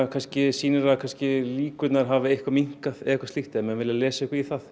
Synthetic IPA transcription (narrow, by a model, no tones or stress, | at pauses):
kʰanscɪsiːnɪɾaðkʰanscɪliːkʏt̪naɾ̥ɦaːvɪehkvamiŋ̥kaðɛ̰ɛhkvḁst̪iht̪ɪɛmɛnvɪlːɪalɛːsaehkiθaθ